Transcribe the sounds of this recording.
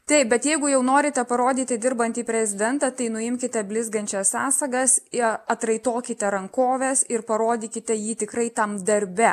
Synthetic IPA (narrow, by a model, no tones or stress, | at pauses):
t̪ɐɪp̚bʲɛt̪jɛɪɡʊjɛʊnoːɾʲɪt̪ʲɛpɐɾoːd̪ʲiːt̪ʲɪd̪ʲɪɾbɐnʲt̪ʲiːpʲɾʲɛzʲɪd̪ʲɛnt̪ɐt̪ɐɪnʊɪmʲkʲɪt̪ʲɛbʲlʲɪzɡɐnʲt͡ʃʲɛssɑːsɐɡɐsɪɐt̪ɾɐɪt̪oːkʲɪt̪ʲɛɾɐŋkoːʋʲɛsɪɾpɐɾoːd̪ʲiːkʲɪt̪ʲɛjiːt̪ʲɪkɾɐɪt̪ɐmd̪ɐɾʲbʲɛ